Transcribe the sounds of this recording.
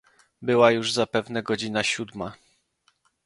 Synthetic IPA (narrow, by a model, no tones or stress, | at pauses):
bɘwajuʐzapɛvnɛɡɔd͡ʑinaɕud̪ma